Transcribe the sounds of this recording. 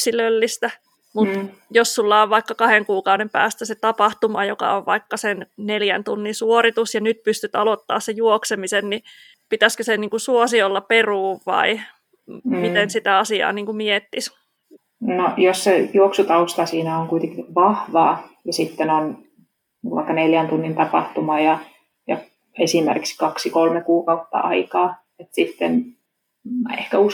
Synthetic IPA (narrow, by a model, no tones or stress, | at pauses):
silølːist̪æ | mut̪ | jossulːɑoʋʋɑikːɑkɑheŋkuːkɑudempæ̰ːst̪æset̪ɑpɑht̪umɑjokɑ̰oʋʋɑ̰ikːɑsenneljænt̪unːinsuorit̪usjɑnyt̪̚pyst̪yt̪ɑlot̪ːɑ̰ːssejuoksemisenni | pit̪æskøseniːŋkusuosiolːɑperuːʋʋɑ̰i | mit̪ensit̪æɑsiɑ̰ːniːŋkumiet̪ːis | nojossejuoksut̪ɑust̪ɑsiːnæoŋkuit̪eŋkiʋɑhʋɑːjɑsit̪ːenon | iŋkʋɑ̰ikːɑneljænt̪unːint̪ɑpɑ̰ht̪umɑːjɑ | jɑ̰ | esimḛrkikskɑksikolmekuːkɑut̪ːɑ̰ʔɑikɑː | et̪sit̪ːen | mæehkæus